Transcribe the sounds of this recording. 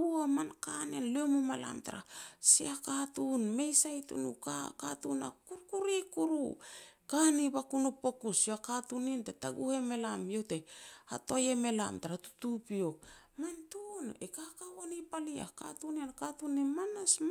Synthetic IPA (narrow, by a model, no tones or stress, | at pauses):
uamankanenliomumala̰mta̰ɾa̰siakatunme̞jsajtṵnṵkakatuna̰kuɾkuɾikuɾṵkanibakunupo̞kusoakatunintetaɡuhemelamjo̞tea̰tojeme̞la̰mtaɾatu̥tupiok̚ | mantunekakawanipalia̰ka̰tunenkatunemanas